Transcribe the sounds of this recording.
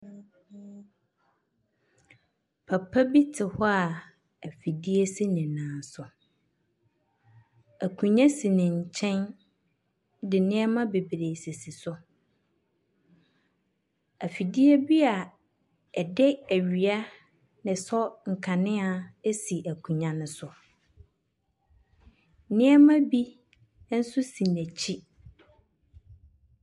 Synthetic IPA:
pʰa˨pʰa˦bi˦tʰɪ˨hɔ˦a˨ | æ˨fi˨di˦e˦si˦nɪ̃˨nãː˨n˦sʊ˨ | æ˨kʰũ˨ɲã˦si˨nɪ̃˨ɲ̩˨t͡ɕʰɛ̃˦n | dɪ˨nɪ̃˦ɛ˦mã˦be˨bɾe˨si˨si˨sʊ˦ | æ˨fi˨di˦ɛ˦bi˦a˨ | ɛ˨dɪ˦æ˨ɥɥi˨a˦ | nɪ̃˨sɔ˦ŋ̩˨kʰã˨nɪ̃˦a˨e˦si˨ʔæ˨kʰũ˨ɲã˨nʊ̃˦sʊ˨˦ | nɪ̃˦ɛ˦mã˦bi˦ | n̩˦sʊ˦sĩ˨næ˨t͡ɕʰi˦

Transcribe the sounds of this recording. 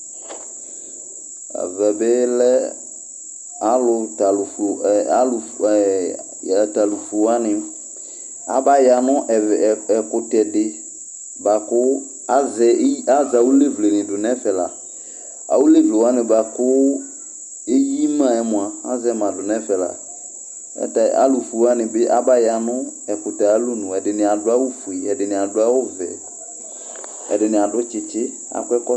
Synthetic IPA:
a̰˨vɛ˨bɪ˦lɛ˦ | a˦lʊ˨ta˨lfa˦l | ta˨lu˨flʊ˨wa˦nɪ̃˨˦ | a̰˦ba˦ja˨nɔ̃˦ʔɛ˨kʊ˨tɛ˨dɪ˨ | ba˨kʊ˦ | a˦zɛ˨˦a˦za˨wu˦le˦vle˨nɪ̃˨dʊ˨nɛ̃˦fɛ˨la˨ | a̰˨wu˦le˦vle˨wa˦nɪ̃˨ba˨kʊ˦ | e˦ji˦mã˦˨ɛ˦mʊ̃˨a˨a̰˦zɛ˦mã˨dʊ˨nɛ˦fɛ˨la̰˨ | ɛ̰˦ta̰˨ʔa̰˦lʊ˨fu˨wa˦nɪ̃˨bɪ˦ʔa˦ba˦ja˨nʊ̃˦ | ɛ˨kʊ˨ta˨a˦lu˦nʊ̃˨ɛ˨dɪ˨nɪ̃˨a˨dʊ˦a˦wʊ˦fu˨i˨ɛ˨dɪ˨nɪ̃˨a˨dʊ˦a˦wʊ˦vɛ̰˨ | ɛ̰˨dɪ˨nɪ̃˨a˨dʊ˦t͡ʃɪ˨t͡ʃɪ˦ | a̰˨kʊ˦ɛ˦kɔ˦

